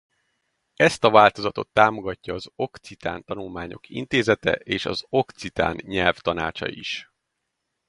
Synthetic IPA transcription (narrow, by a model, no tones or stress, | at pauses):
ɛst̪ɒvaːlt̪o̞zɒt̪o̞̰t̪ːaːmo̞ɡɒcːɒːzo̞kt̪sit̪a̰ːnt̪ɒnulmaːɲo̞̰kʰḭnt̪eːzɛt̪ɛ̰ʔeːʃɒ̰zo̞kt̪sit̪a̰ːnɲɛlft̪ɒna̰ːt͡ʃɒ̰ḭʃ